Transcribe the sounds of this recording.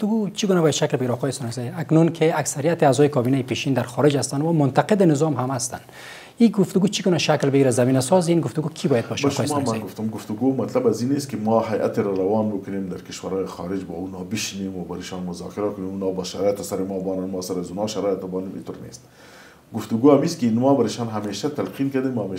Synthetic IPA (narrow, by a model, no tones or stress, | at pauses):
t̪ʊɡut͡ʃiɡunabɔjad̪ʃaklbɪɡiɾaɔːqɔjesɔnasajaknunkʰɪaksaɾijat̪ɪaːzɔjɪkɔbinajɪpeʃind̪aɾxɔɾɪd͡ʒhast̪anwamʊnt̪aqɪd̪ɪnɪzɔmɦamast̪a̰n | iɡʊft̪ʊɡut͡ʃʰiɡunaʃaklbɪɡiɾazamiːnasɔzinɡʊft̪ʊɡukʰibɔjad̪̚bɔʃqɔjesmamaɡʊft̪ʊmɡʊft̪ʊɡoːmat̪labazineːst̪̚kɪmɑːɦajʔa̰t̪eɾaɾawɑːnbɪkʊnemd̪aɾkɪʃwaɾɑːjixɑ̰ːɾɪd͡ʒbɑ̰ːunɑːbɪʃinemwabaɾɪʃɑːnmʊzɑ̰ːkɪɾakʊnemunɑːbaʃaɾɑːjɪt̪asaɾɪmɑbɑːnanmɑːsaɾazunɑːʃaɾɑːjɪt̪abɑːnimḭt̪oɾnḛst̪̚ | ɡʊft̪ʊɡoːamiskɪinmɑbɐɾɪʃɑnɦameːʃat̪alqinkad̪emwaame